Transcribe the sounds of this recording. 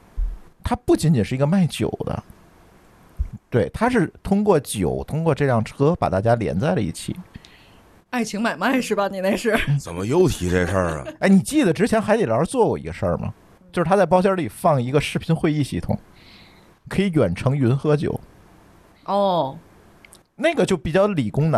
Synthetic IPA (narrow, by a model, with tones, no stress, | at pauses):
t̪ʰa˥pu˥˩t͡ɕi˧˥nt͡ɕi˨˩nʂɻ̩˥˩˧ɡə˧ma˥˩ɪt͡ɕjo̰˨˩ʊd̪ə̰˦ | t̪we˥˩ɪt̪ʰa˥ʂɻ̩˥˩t̪ʰʊ˥ŋkwɔ˥˩t͡ɕjo˨˩˦ʊt̪ʰʊ˥ŋkwɔ˥˧ʈ͡ʂɤ˥˧ljɑ˥˩ŋʈ͡ʂʰɤ˥pa̰˨˩t̪a̰˥˩t͡ɕja˥ljɛ̰˧˥nt͡sa˥˩ɪlə˩ḭ˥˩t͡ɕʰḭ˨˩˦ | a˥˩ɪt͡ɕʰi˧˥ŋma˨˩ɪma˥˧˩ɪʂɻ̩˥˩bɐ˨ni˨˩ne˥˧ɪʂɻ̩˥˩˥t͡sə˨˩nmə˦jo˥ʊt̪ʰi˧˥ʈ͡ʂe˥˩ʂə̰˥˩ə̰˧˥˩ɪni˨˩t͡ɕi˥˩d̪ə˩ʈ͡ʂɻ̩˥t͡ɕʰjɛ˧˥nxa˧˥t̪e˨˩ə̰˞˧˥t͡swɔ˥˩kwɔ̰˥˩ḭ˧˥ɡə˧ʂə̰˞˥˩mɐ̰˩ | t͡ɕjʂɻ̩ʰ˥˩a˥t͡sa˥˩ɪp̬ɑ˥ʊɕ̬jɑ˥li˨˩fɑ˥˩ŋi˧˥ɡə˧ʂɻ̩˥˩pʰi˧˥nxwe˥˧ɪi˥˧ɕi˥˩t̪ʰʊ̰˨˩˦ŋ | kʰɤ˧˥i˧˥jɥwɛ˨˩nʈ͡ʂʰɤ˧˥ŋy˧˥nxɤ˥t͡ɕjo̰˨˩˦ʊ | ɔ˥˩ | na˥˩ɡə˩t͡ɕjo˥˩ʊpi˨˩t͡ɕjɑ˥˩ʊli˨˩kʊ˥ŋnə˨